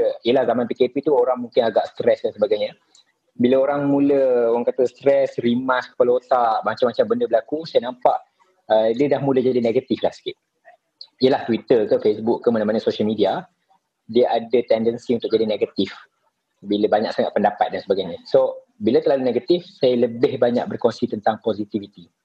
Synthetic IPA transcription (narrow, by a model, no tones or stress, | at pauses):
iəlahzamanpikepit̪uoɾaŋmũŋkɪnaɡaʔst̪ɾɛsdansəbaɡajɲə | biləoɾaŋmũləowaŋkat̪əst̪ɾɛsrimaskə̥palot̪aʔmat͡ʃamːat͡ʃambəndəbəlakusajanampaʔ | ədiədahmũləd͡ʒadineɡat̪iflahsə̥kit̪̚ | iəlaht̪wit̪ərkəfesbukːəmanãmanəsoʃalmidia | diəʔadət̪ɛndənsiunt̪ʊk̚d͡ʒadineɡat̪if | biləbaɲa̰k̚saŋa̰ʔ̪̚pəndapat̪̚dansəbaɡajɲaso | bilat̪ərlaluneɡat̪ifsajaləbɪhbaɲa̰k̚bərkonsit̪ənt̪aŋpozit̪ivit̪i